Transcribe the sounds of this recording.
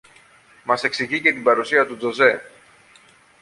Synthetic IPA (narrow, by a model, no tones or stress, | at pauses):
mɐse̞ksiʝice̞t̪ibɐɾusiɐt̪ud͡zo̞ze̞